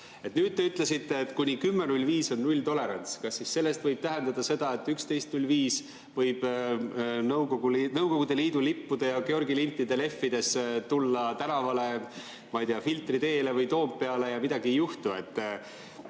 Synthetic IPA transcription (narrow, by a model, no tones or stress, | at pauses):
et̪ːˑnyːd̪̥̚t̪e̞yt̪ˑle̞sit̪ːe̞ːt̪ːˑkunʲikymːenulʲviːso̞nːulʲt̪o̞le̞ɾɑnʲt̪skɑsːisse̞lːe̞st̪vɤjb̥̚t̪æɦend̪ɑd̪̥ɑse̞d̪̥ɑe̞t̪ːˑykst̪e̞jst̪nulʲviːs | vɤ̞jb̥ | nɤwɡoɡ̥ulnɤwko̞ɡ̥ud̪̥e̞liːd̪̥ulipːud̪̥ɑjɑkeo̞rɡilint̪ːid̪e̞le̞fːid̪̥e̞st̪ulːɑt̪ænɑvɑle̞ | mɑjd̪eɑfilt̪rid̪e̞ːle̞vɤjt̪o̞ːmppːe̞ɑle̞jɑmid̪ɑɡijuht̪ue̞t̪ː